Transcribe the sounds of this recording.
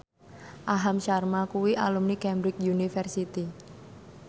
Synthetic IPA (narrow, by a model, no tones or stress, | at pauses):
ʔaɦamʃarmakuwiʔa̰lumnikɛmbɾɪk̚junifɛrsit̪i